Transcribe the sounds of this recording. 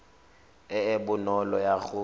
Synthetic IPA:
ɪɪbʊnɔlɔjaɣʊ

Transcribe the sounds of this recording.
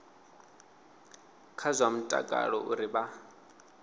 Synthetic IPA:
kʰazʷwam̩tʼa̰kʼa̰ɺɔʔuɾiba

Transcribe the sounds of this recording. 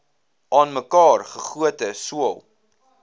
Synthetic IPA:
ʔɑːnməkɑːrχəχuətəsuəlˠ

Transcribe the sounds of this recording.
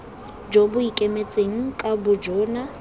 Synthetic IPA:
d͡ʒobʊikʼemet͡sʼeŋ̩kʼabʊd͡ʒɔːna

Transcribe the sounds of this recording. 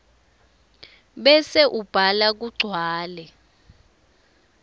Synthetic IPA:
ɓɛsɛʔub̥ʱalak̬uɡ͡ǀʱwaːlɛ

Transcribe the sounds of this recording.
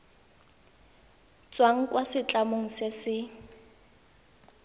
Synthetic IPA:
t͡sʼwaŋ̩kʼwasɪt͡ɬʼamoŋ̩sɪsɪ

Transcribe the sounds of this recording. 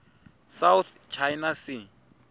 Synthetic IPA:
sawθt͡ʃʰajnasɪ

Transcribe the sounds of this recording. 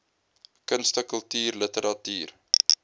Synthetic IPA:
kənstəkəlˠtyːrlətəɾɐtyːr

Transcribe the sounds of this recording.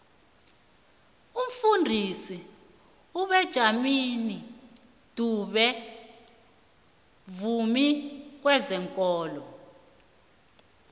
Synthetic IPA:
um̩fundʱisi | uɓɛd̥ʒ̥ʱamini | d̥ʱuɓɛ | vumik̬wɛzɛŋkʼɔːlɔ

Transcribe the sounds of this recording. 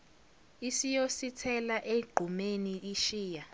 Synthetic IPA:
isijositʰɛlaʔeɡ͡ǃʱumeniʔiʃiːja

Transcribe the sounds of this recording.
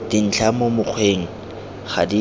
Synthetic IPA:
d̥in̩t͡ɬʰamomʊq͡χʰweːŋ̩ | χa̰di

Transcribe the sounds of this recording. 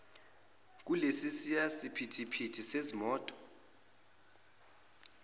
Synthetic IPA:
k̬ʼulesisiasipʰitʰipʰitʰisezimɔːtʼɔ̥

